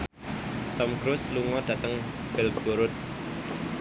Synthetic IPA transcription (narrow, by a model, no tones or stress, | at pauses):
t̪ɔmɡ̥ɾʊsluŋɔd̥ä̤t̪əŋ | b̥ɪlb̥oɾʊt̪̚